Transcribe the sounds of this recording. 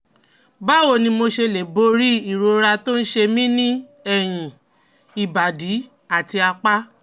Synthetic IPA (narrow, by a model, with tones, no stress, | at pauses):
ba˦wo˦˨nĩ˧mo˧ʃe˧le˨bo˧˦ɾi˦i˨ɾo˧ɾa˧to˦n̩˦ʃe˧mĩ˦nĩ˦ | ɛ˦˨j̃ĩ˨ | i˨ba˨di˨˦ | a˦˨ti˧a˧k͡pa˦